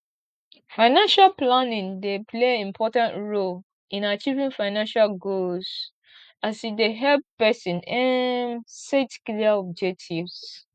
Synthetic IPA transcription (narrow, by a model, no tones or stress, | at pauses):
fãɪnãnʃalplanĩŋdepʰleĩmpʰɔtãntɹol | ĩnat͡ʃivĩŋfaɪnãnʃalɡoz | asifdeɦɛlppɛsĩnɛ̃msetkliaɔb̚d͡ʒɛk̚tʰivs